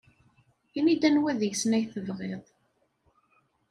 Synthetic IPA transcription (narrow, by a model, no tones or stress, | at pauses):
inid̪ænwæðəʝsnæjθəvʁeðˤ